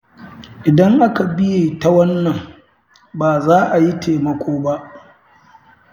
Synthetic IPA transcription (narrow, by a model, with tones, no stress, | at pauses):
ʔɪ˨dɐ˦ŋʔa˦ka˨bɪ˦jeː˨ta˦wɐ˦nːɐ˨ŋ | baː˨zaː˦ʔa˨ji˦tʰeː˨mɐ˨kʷoː˦ba˦ʔ